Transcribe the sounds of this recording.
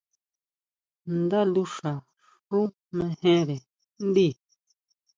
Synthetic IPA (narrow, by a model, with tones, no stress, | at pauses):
nd̪a˦lu˧ʂa˨ | ʂũ˦ | mẽ˧hẽ˦ɾe˨ | n˦d̪i˦˨